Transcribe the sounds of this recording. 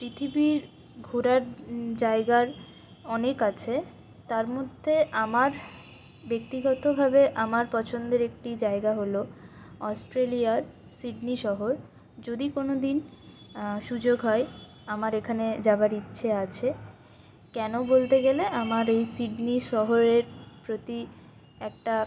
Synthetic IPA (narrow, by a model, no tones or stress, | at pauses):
pɾit̪ʰibiɾ | ɡʱuɾaɾd͡ʑaeɡaɾ | ɔnekat͡ɕʰe | t̪aɾmod̪ʱːeʔamaɾ | bek̚t̪iɡɔt̪obʱabeʔamaɾpɔt͡ɕʰond̪eɾek̚ʈid͡ʑaeɡaɦolo | ɔsʈɾeliaɾ | siɖniʃɔɦoɾ | d͡ʑod̪ikonod̪in | ʃud͡ʑoɡɦɔe | amaɾekʰaned͡ʑabaɾitːɕʰeat͡ɕʰe | kɛnobolt̪eɡeleʔamaɾejsiɖniʃɔɦoɾeɾpɾot̪i | ɛk̚ʈa